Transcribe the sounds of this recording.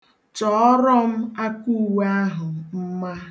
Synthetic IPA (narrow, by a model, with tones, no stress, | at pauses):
t͡ʃɔ˨˦ɾɔ˦m̩˦a˦ku˦˨we˦a˦ɦʊ˨m̩˦ma˦